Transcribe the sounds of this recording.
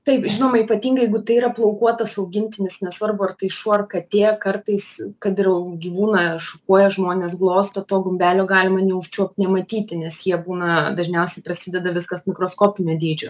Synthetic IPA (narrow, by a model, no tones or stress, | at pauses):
t̪ɐɪpʒʲɪnoːmɐiːpɐt̪ʲiːŋɡɐɪjɛɪɡʊt̪ɐɪiːɾɐplˠɐʊkuɔt̪ɐsɐʊɡʲɪnʲt̪ʲɪnʲɪsnʲɛsʋɐrbʊɐrt̪ɐɪʃuɔɐrkɐt̪ʲeːkɐrt̪ɐɪskɐt̪ɪɾɛʊɡʲiʋuːnɐʃʊkuɔjɛʒmoːnʲeːs̬ɡlˠoːst̪ɐt̪oːɡʊmʲbʲæːlʲoːɡɑːlʲɪmɐnʲɛʊʃʲt͡ʃʲuɔp̚ʲt̪ʲnʲɛmɐt̪ʲiːt̪ʲɪnʲɛsjiɛbuːnɐd̪ɐʒʲnʲɛʊsʲɛɪpɾɐsʲiːd̪ʲɛd̪ɐʋʲɪskɐsmʲɪkɾoːskoːpʲɪnʲoːd̪ʲiːd͡ʒʲo